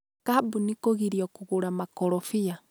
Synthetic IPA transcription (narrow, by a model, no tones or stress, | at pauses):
kabunikoɣiɾiɔkuɣuɾamakɔɾɔfia